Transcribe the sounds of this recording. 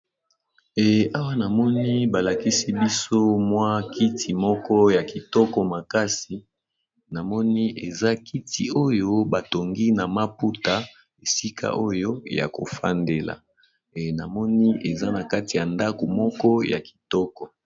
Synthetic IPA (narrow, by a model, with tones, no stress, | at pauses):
ɛ˨a˦wa˦na˨mɔ˦ni˦ba˨la˨ki˦si˦bi˦so˦mwa˦ki˦tʰi˨mɔ˦kɔ˦ja˨ki˨tɔ˦kɔ˨ma˨ka˦si˨ | na˨mɔ˦ni˦ʔe˨za˦ki˦tʰi˨o˦jo˦ba˨to˨ŋɡi˦na˨ma˦pu˦ta˨ | e˨si˦ka̰˦ʔo˦jo˦ja̰˨ko̰˨fa̰˦nde˨la̰˨ | na˨mɔ˦ni˦e˨za˦na˨ka˦ti˨ja˨nda˦ko˨mɔ˦kɔ˦ja̰˨ki̥˨tɔ˦kɔ˨